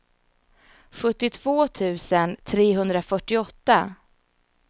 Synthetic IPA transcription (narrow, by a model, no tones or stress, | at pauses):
ɧɵt̪ːɪt̪ʰv̥oːt̪ʰʉ̟ːsənt̪ʰɾeːɦɵnd̪ɾafœʈːɪɔt̪ːa